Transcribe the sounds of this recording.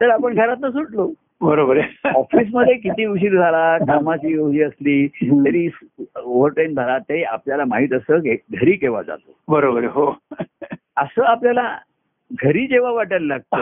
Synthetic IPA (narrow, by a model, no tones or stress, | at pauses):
t̪əɾapəɳɡʱəɾat̪nasuʈlo | bəɾobəɾeɔfiːs̬məd̪ʱːjek̬it̪iːuɕ̬iːɾd͡zʱalakamat͡ɕiːjoɦiːəsliːt̪əɾiːsoʋəɾʈɾend͡z̪ʱaɾat̪ːəɾiːa̰pljalamaɦiːt̪əsəeɡʱəɾiːkeʋa̰d͡za̰t̪obəɾobəɾeɦo | əsəːapljala | ɡʱəɾiːd͡ʑeʋ̤aʋaʈəllaɡ̚t̪o